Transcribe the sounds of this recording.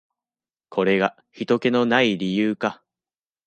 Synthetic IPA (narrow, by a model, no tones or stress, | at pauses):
kʰo̞ɾe̞ɡa | çit̪o̞ke̞no̞naiɾʲijɯːka